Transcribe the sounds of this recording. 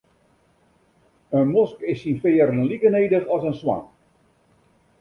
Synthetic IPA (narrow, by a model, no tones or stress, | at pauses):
ənmɔskɪsinfeːərllikəneːdəχɔsənswa̰ŋ